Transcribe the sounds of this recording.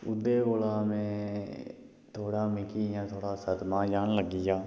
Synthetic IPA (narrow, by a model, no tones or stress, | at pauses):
ʊd̪eːɡoːlaːmẽː | t̪ʰoːɽaːmɪkiːjãːt̪ʰoːɽaːsəd̪mãːd͡ʒaːɳləɡiːjaː